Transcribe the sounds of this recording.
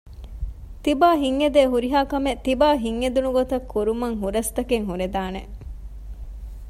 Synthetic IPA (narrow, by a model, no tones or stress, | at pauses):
t̪ibaːɦiŋːed̪eːɦuɾiɦaːkɐmet̪ibaːɦiŋːed̪unuɡot̪ɐkʰːuɾumɐŋɦuɾɐst̪ɐkeŋɦuɾed̪aːne